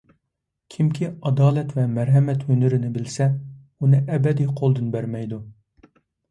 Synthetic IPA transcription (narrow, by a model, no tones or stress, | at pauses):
kʲʰimkʲʰiɑd̪ɑːlɛt̪vɛmæɾɦɛmɛt̪hønɪɾɪnɪbɪlsɛ | unɨʔɛbɛd̪ijqʰolˠd̪ɨnbæɾmɛjd̪u